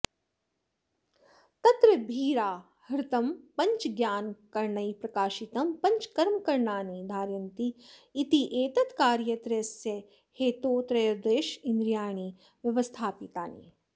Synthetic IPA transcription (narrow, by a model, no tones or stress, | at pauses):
t̪ɐt̪ɾɐbʱiːɾaː | hɐɾɪt̪ɐmpɐ̃ɲt͡ʃɡjaːnkɐɾɳɐipɾɐkaːʃit̪ɐmpɐ̃ɲt͡ʃkɐɾmkɐɾɳaːnid̪ʱaːɾjɐnt̪iːt̪iʔeːt̪ɐt̪kaːɾjɐt̪ɾɐsjɐ | heːt̪oːt̪ɾɐjɐɾd̪eːʃĩnd̪ɾjaːɳ̃i | ʋjɐʋəst̪ʰaːpit̪aːnḭː